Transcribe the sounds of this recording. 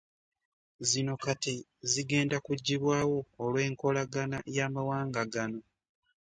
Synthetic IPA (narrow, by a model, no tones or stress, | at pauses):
zino̞kati | ziɡe̞ːndakuɟːiβwaːwo̞ːlwe̞ːŋko̞laɡanajaːmawaːŋɡaɡano̞